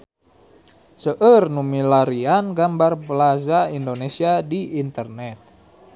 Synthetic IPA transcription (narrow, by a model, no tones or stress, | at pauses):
səʔərnumilaɾianɡambarplazaindonɛsiadiːnt̪ərnɛt̪̚